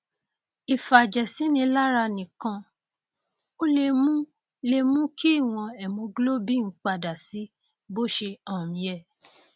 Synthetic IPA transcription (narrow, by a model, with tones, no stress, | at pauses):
i˨fa˨d͡ʒɛ˨si˨˦nĩ˧la˦ɾa˧nĩ˨kã˧ | o˦le˧mũ˦ | le˧mũ˦kʰi˦i˦˨w̃ɔ̃˧ɛ˨mũ˧ɡlo˦bi˦n̩˦k͡pa˧˨da˨si˨˦ | bo˦˨ʃe˧ɔ̃˦˨mĩ˨˧˦jɛ˦˨